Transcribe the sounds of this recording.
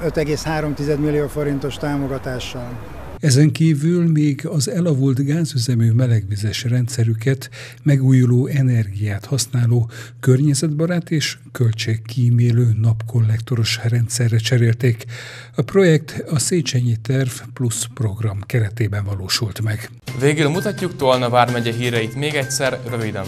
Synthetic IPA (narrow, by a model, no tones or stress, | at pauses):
øt̪ɛɡeːshaːɾomt̪izɛd̪milːioːfo̞ɾint̪o̞ʃt̪aːmoɡɒt̪aːʃːɒl | ɛzɛŋkiːvylmeːɡɒzɛlɒvult̪ɡaːzyzɛmyːmɛlɛɡʋizɛʃrɛnt̪sɛɾykɛt̪ | mɛɡuːjuloːʔɛnɛrɡijaːt̪hɒsnaːloːkø̞rɲɛzɛd̪bɒɾaːt̪eːʃkølt͡ʃekːiːmeːløːnɒpko̞lːɛkt̪o̞ɾo̞ʃrɛnt̪sɛrːɛt͡ʃɛɾeːlt̪eːk | ɒpro̞jɛk̚t̪ɒseːt͡ʃɛɲit̪ɛrvpluspro̞ɡrɒmkɛɾɛt̪eːbɛɱvɒloːʃult̪mɛɡ | veːɡylmut̪ɒcːukt̪olnɒvaːrmɛɟɛɦiːɾjɛjit̪meːɡɛcsɛrrøvid̪ɛ̰n